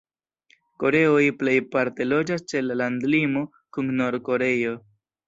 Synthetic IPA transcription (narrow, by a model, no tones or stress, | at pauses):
ko̞ɾe̞o̞jple̞jpaɾte̞lo̞d͡ʒast͡ʃe̞lalandlimo̞ | kunno̞ɾko̞ɾe̞jo̞